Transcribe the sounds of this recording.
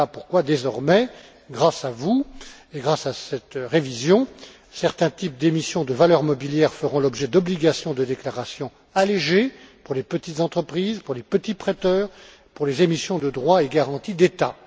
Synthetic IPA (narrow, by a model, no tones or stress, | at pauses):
apuʁkwad̪ezɔʁmɛ | ɡʁasavu | eɡʁasasɛt̪ʁevizjɔ̃ | sɛʁt̪ɛ̃t̪ip̚d̪emisjɔ̃d̪əvalœʁmɔbiljɛʁfəʁɔ̃lɔbʒɛd̪ɔbliɡasjɔ̃d̪əd̪eklaʁasjɔ̃ | aleʒepuʁlepət̪it̪zɑ̃t̪χəpχizpuʁlepət̪ipχɛt̪œːʁ | puʁlezemisjɔ̃d̪əd̪ʁwaeɡaʁɑ̃t̪id̪et̪a